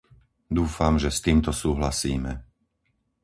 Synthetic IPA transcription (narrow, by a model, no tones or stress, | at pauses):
d̪uːfamʒɛst̪iːmt̪ɔsuːɦlasiːmɛ